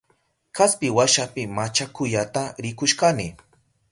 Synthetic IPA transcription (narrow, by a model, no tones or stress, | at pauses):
kaspɪwaʃapɪmat͡ʃakʊjat̪aɾɪkʊʃkanɪ